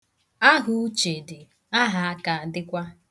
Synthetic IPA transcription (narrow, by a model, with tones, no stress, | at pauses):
a˦ɦu˦t͡ʃe˨dɪ˨ | a˦ɦa˨a˦ka˨a˨dɪ˦kʷa˦